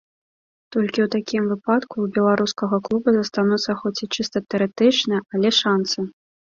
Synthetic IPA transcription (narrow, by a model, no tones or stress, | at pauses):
t̪ɔlʲkʲiwt̪akʲimvɨpat̪kuːbʲɛlˠaɾuskɐɣɐklˠubɐzɐst̪anut̪sːɐxɔt͡sʲit͡ʂɨst̪ɐt̪ɛɐɾɨt̪ɨt͡ʂnɨjʔɐlʲɛʂansɨ